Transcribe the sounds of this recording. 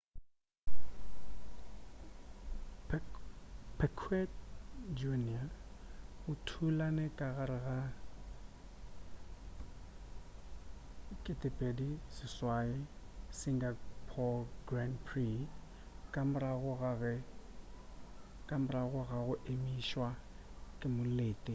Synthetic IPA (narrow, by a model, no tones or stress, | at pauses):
pʰɛkʰwɛtd͡ʒunia | ʊtʰulanɛkʼaɣaɾɪɣa | kʼɪtʼɪpʼedisɪswaɪsiŋɡapʰɔɡranpʰri | kʼamʊɾaɣʊɣaɣɛ | kʼamraɣʊɣaɣʊʔemiʃwa | kʼɪmʊleːtʼɪ